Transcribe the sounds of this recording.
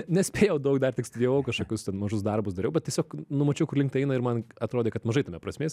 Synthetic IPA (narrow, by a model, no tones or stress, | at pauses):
nʲɛsʲpʲeːjɛʊd̪ɐʊkd̪ɐrt̪ʲɪkstdʲiʋoʊkɐʃkokʲʊst̪ʲɛnmɐʒʊs̬d̪ɐrbʊsd̪ɐɾʲɛʊbʲɛt̪ʲiɛsʲoːknʊmɐt͡ʃʲɛʊkʊrlʲɪŋkt̪ɛɪnɐɪɾmɐnɐt̪ɾoːd̪ʲeːkɐt̪mɐʒɐɪt̪ɐmʲɛpɾɐsʲmʲeːsʲ